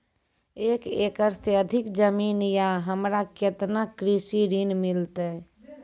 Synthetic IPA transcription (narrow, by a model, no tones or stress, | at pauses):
eːkekəɾseəd̪ʱɪkd͡ʒəmiːnjaɦəmɾaket̪nakɾisiɾinmɪlt̪ɛ